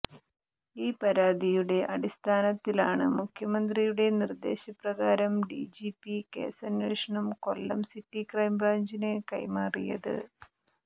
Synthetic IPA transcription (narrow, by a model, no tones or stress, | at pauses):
iːpɐɾaːd̪ijuɽe̞ʔɐɽist̪ʰaːnɐt̪ːilaːɳɨmukʰjɐmɐnd̪rijuɽe̞nird̪e̞ːɕɐprɐɣaːɾɐmɖḭd͡ʑiːpːike̞̰ːsɐnʋeːʂɐɳɐmko̰lːɐmsiʈːikrɐjmbraːɲd͡ʑinekɐjmaːrijɐ̰ðɨ̰